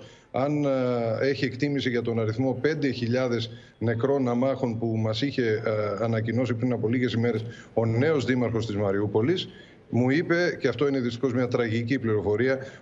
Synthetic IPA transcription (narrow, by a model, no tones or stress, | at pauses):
ɐne̞çie̞kt̪imisiʝɐt̪o̞nɐɾiθmo̞pe̞nd̪e̞çiʎɐðe̞s | ne̞kɾo̞nɐmɐxo̞npumɐsiçe̞ɐnɐcino̞s̬ipɾinɐpo̞liɣe̞sime̞ɾe̞s | o̞ne̞o̞zðimɐɾxo̞st̪izmɐɾiupo̞lis | muipe̞ceɐft̪o̞ineðist̪i̥xo̞zmɲɐt̪ɾɐʝicipliɾo̞fo̞ɾiɐ